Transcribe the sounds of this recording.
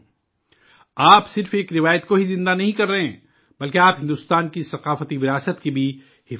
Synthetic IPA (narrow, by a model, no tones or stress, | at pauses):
aːpsɪɾfeːkɾɪʋaːjət̪koɦizɪ̃nd̪anɐɦĩkɐɾːɐɦɛ̃ː | bɐlkeaːpɦɪ̃nd̪ʊst̪aːnkisɐqaːfət̪iʋɪɾaːsət̪kibʱi | hɪ